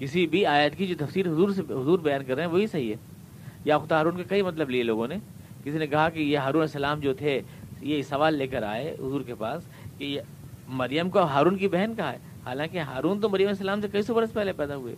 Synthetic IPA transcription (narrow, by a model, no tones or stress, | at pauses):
kɪsibʱiaːjət̪kid͡ʒoːt̪ɐfsiːɾɦʊzuːɾseɦʊzuːɾbɐjaːnkɐɾːeɦɛ̃ʋoːɦisɐɦiɦɛ̰ː | jaxt̪ɦaːɾuːnkakɐimɐt̪ləblieloːɡõne | kɪsinẽkɐɦakejeɦaːɾuːnɛsɐlaːmd͡ʒoːt̪ʰe | jesɐʋaːlːeːkəɾa̰ːeɦʊzuːɾkepaːs | kej | mɐɾjəmkoɦaːɾuːnkibɛɦnkɐɦaɦɛː | haːlãːkeɦaːɾuːnt̪̬omɐɾjəmɛsɐlaːmsekɐisobɐɾəspɛɦlepɛːd̪aɦuḛː